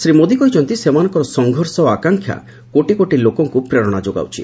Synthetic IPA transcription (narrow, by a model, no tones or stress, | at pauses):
sɾimod̪ikɔɦit͡ʃʰɔnt̪isemanɔ̃ŋkɔɾɔsɔŋɡʱɔɾsɔakaŋkʰja̰ | koʈikoʈilokɔŋkupɾeɽɔɽ̃ad͡ʒoɡa̰wt͡ʃʰḭ